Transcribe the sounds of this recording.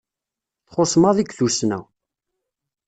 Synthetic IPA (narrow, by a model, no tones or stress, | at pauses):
θχosˤmɑðˤiɡθusnæ̰